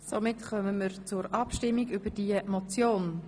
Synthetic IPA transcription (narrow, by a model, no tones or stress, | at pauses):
somɪtχœməməɾt͡sʊɾɑpʃtɪmːiɡybəɾd̥iəmɔt͡sjoːn